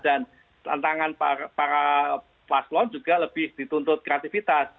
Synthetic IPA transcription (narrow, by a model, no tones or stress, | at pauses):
d̥an | t̪a̰nt̪aŋanapaɾa | plaslɔnd͡ʒuɡaləb̥ɪhd̥it̪unt̪ʊt̪̚kɾeat̪ifit̪as